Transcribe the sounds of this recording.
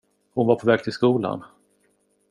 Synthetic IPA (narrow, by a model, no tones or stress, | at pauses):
hʊnvaɾpʰɔvɛːɡ̚t̪ʰɪlskuːla̰n